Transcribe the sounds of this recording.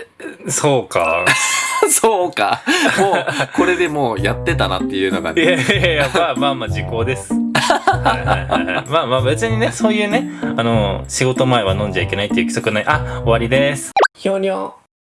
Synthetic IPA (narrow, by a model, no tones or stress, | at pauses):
so̞ːka̰ | soːkaoko̞ɾe̞d̪e̞moːjat̪ːe̞t̪ana̰t̪ːe̞jɯ̟ːnoɡa̰ejaaːmaːmad͡ʑiko̞ːd̪e̞sɨ̥haihaiha̰jhmaːmaːbet͡sɨɲ̟ine̞so̞ːjɯ̟ːne̞ano̞ɕiɡo̞t̪o̞mae̞βanõɲd͡ʑaike̞nait̪ojiɯ̟kʲi̥so̞kɯ̟naiʔao̞βaɾʲid̪e̞sɨ̥kʲoːɲʲo